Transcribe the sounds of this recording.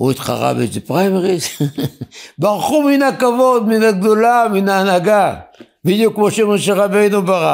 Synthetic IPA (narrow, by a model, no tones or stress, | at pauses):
ot̪qa̰ʁa̰bḛsdepʁajmeʁis | baʁχuminakavod̪minaɡ̚d̪olaminanaɡa | vidokmoʃemaʃeʁabejnubaʁa